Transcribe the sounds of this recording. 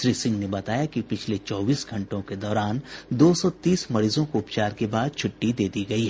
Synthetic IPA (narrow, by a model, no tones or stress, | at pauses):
ʃɾiːsɪ̃ŋɡnebɐt̪aːjakipɪt͡ʃʰlet͡ʃɔːbiːsɡʱɐ̃ɳʈõked̪ɔːɾaːnd̪oːsɔt̪iːsmɐɾiːzõkoʊpt͡ʃaːɾkebaːd̪̚t͡ʃʰʊʈːid̪eːd̪iɡɐiɦɛː